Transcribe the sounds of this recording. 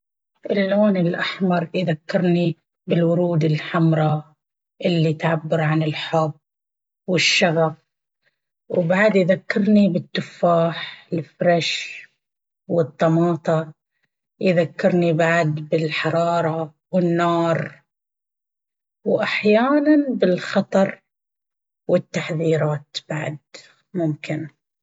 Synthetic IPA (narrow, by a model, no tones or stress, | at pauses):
ʔɪlːoːnɪlʔaħmɑɾˤjɪðakːɪɾni | bɪlwʊɾuːd̪ɪlħamɾˤɑ | ʔɪlːit̪ʕabːɪɾʕanɪlħʊb | wɪʃːaɣab | wbaʕd̪jðakːɪɾnibɪt̪ːʊfːaːħlfɾˤɑʃ | wɨt̪ˤːɑmɑːt̪ˤɑ | jðakːɪɾnibaʕd̪bɪlħɑɾˤɑːɾˤɑ | wɪnːɑːɾˤ | wʔaħjaːnanbɪlxɑt̪ˤɑɾˤ | wɪt̪ːaħðiːɾaːt̪b̥aʕd̪̚ | mʊmkɪn